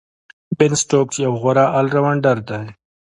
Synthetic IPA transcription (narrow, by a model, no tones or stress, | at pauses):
bɪnsʈoːk̚t͡ʃjawɣaɾaʔalɾawaɳɖaɾd̪aj